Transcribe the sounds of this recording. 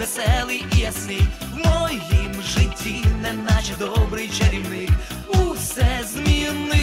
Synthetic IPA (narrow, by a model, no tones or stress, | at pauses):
ɛsɛlˠɨjiasɪj | wmɔjimʒɪtʲʰːinɛnat͡ʃd̪ɔbɾɨjt͡ʃɐɾʲiwnɪk | usɛzmʲinːɨ